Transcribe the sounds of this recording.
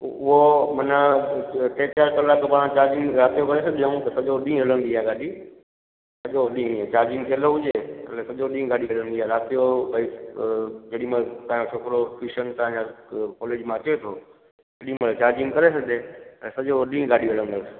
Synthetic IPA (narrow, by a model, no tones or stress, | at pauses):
ʊɦomɐnəʈʰeːt͡ɕaɾkɐlaːkpaːɽ̃ãt͡ɕaːɾd͡ʑɪ̃ŋɡɾaːt̪ijokɐɾesɐɠeũt̪ɐsɐʄoɗĩːɦələ̃nd̪iɦaeɡaːɗi | sɐʄoɗĩt͡ɕaːɾd͡ʑɪ̃ŋɡt̪ʰiəloɦʊd͡ʒeːɐ̰lɛ̃sɐʄoɗĩːɡaːɗiɦələ̃nd̪iɦaːɾaːt̪ijobəi | d͡ʑɐɗĩmãt̪ãːot͡ʃʰoːkɾofiʃənt̪ããakɔːleːd͡ʒmãɐt͡ɕet̪ʰoː | sɐɗĩməlt͡ɕaːɾd͡ʑɪ̃ŋkɐɾesɐɡeɛ̃sɐʄoɗĩːɡaːɗiɦələ̃nd̪əs